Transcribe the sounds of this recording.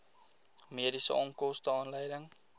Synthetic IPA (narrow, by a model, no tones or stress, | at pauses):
miədisə̰ʔɔŋkɔstəɑːnləjdəŋ